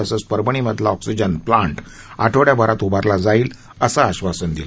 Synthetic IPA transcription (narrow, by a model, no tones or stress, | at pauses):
əsəspəɾbəɳ̃iməd̪ʱlaɔksid͡ʑənplãɳʈ | a̰ʈʰoɽjabʱəɾat̪ubaɾlad͡zaiːl | əsaːɕʋasənd̪ila